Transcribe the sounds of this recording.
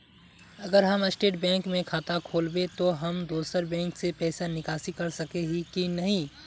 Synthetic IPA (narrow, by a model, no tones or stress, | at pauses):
ɐɡəɾɦɐmɪsʈeːʈ̚bɛ̃ːŋkmẽkʰaːt̪akʰoːlbet̪oɦɐmd̪oːsəɾbɛ̃ːŋksepɛːsanɪkaːsikɐɾsɐkeɦikinɐɦĩ